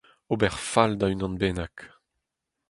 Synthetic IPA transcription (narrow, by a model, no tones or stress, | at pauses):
obɛʁfald̪aynɑ̃nbeːnak